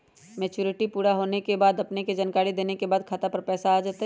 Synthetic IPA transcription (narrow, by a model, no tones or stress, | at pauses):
mɛːt͡ʃuːɾɪʈipuːɾaɦoːnekebaːd̪ɐpneked͡ʒaːnkaːɾid̪eːnekebaːd̪̚kʰaːt̪apɐɾpɛːsaaːd͡ʒaːt̪a